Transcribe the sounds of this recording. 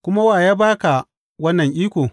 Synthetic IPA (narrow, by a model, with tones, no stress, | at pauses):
kʷʊ˦ma˦waː˨jaː˦baː˦ka˨ | wɐ˦nːɐ˨ŋʔiː˦kʷoː˨